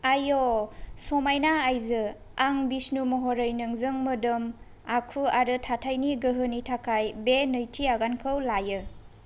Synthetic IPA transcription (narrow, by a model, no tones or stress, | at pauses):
ajosɔmajnaːjzɯ | aŋbisnumɔɦoɾɯjnɯŋzɯŋmɯdɯm | akʰuaɾɯtʰatʰajniɡəɦɯnitʰakʰajbenɯjtʰiaɡankʰɯwlajɯ